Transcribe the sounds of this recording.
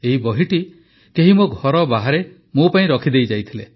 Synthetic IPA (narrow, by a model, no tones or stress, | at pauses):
eɦibɔɦiʈi | keɦimoɡʱɔɾɔbaɦaɾe | mopaĩɾɔkʰid̪ejd͡ʒajt̪ʰile